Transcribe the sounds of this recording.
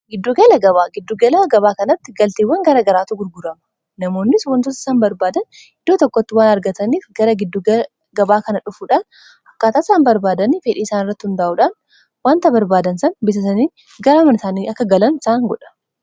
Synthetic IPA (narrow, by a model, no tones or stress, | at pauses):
ɡɪd̪ːuɡɐlɐɡɐβaːɡɪd̪ːuːɡɐlaɡɐβaːkɐnɐt̪ːɪɡɐlt̪eːwːɐŋɡɐɾɐɡɐɾaːt̪ʊɡʊɾɡʊɾɐmɐ̥ | nɐmo̞ːnːɪswɐnt̪ʊsɪ̥saːnbɐɾbaːd̪ɐn | ɪd̪ːoːt̪ɔkːɔt̪ːɪwaːnɐɾɡɐt̪ɐniːfɡɐɾɐɡɪd̪ːuɡɐ | ɡɐbaːkɐnɐᶑʊfuːᶑaːn | ɐkːaːt̪aːsaːnbɐɾbaːd̪ɐniːfeᶑiːɪsaːnɪrːɐt̪ːɪhʊnd̪aːʔuːᶑaːn | waːnt̪ɐbɐɾbaːd̪ɐnsɐnbɪs̬ɐsɐniː | ɡɐɾaːmɐnɪsaːniɐkːɐɡɐlɐnɪsaːŋɡɔᶑɐ̥